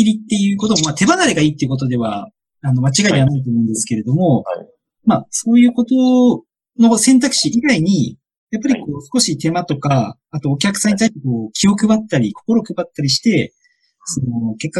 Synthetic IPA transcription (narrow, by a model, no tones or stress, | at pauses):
iɾʲit̪ːe̞jɯ̟ːko̞t̪omomat̪ʰe̞banaɾeɡaiːt̪ːeiɯ̟ko̞t̪̬o̞d̪e̞βa̰ | ano̞mat͡ɕiɡaid̪eanait̪o̞ːmo̞ɯ̃nd̪e̞sɨ̥ke̞ɾe̞d̪o̞mo̞ | maso̞ːjɯ̟ːko̞t̪o̞ | no̞sẽ̞nt̪akɯ̥ɕiiɡaiɲ̟i | japːaɾʲiko̞ːsɨ̥ko̞ɕit̪e̞mat̪o̞kaː | t̪o̞ːk̬ʲakɯ̥sãɲ̟ːit̪aiɕt̪eko̞ːkʲʰio̞kɯ̟bat̪ːaɾʲikʰo̞̥koɾo̞kɯ̟bat̪ːaɾʲiɕi̥t̪e̞ | so̞noke̞kːa